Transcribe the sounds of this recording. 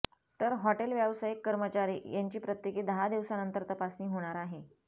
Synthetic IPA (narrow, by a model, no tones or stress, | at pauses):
t̪əɾɦɔʈelʋjaʋsajikːəɾmət͡ɕaɾḭːjaɲt͡ɕiːpɾət̪jekeːd̪əɦad̪iʋsanənt̪əɾt̪əpasniːɦoɽ̃aɾaɦe